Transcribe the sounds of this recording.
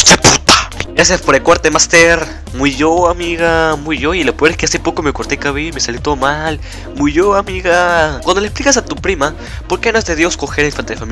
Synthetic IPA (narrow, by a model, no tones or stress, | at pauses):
sepu̥t̪ḁɡɾas̬jaspoɾekoɾt̪emast̪eɾ | muiʝoamiɣamujʝoilopeeskeasepo̞komekoɾt̪ekaβimesalit̪oðomal | muʝoamiɣakwand̪olesplikas̬at̪upɾima | poɾkenoezðe̞ðjo̞sko̞xeɾainfant̪eefami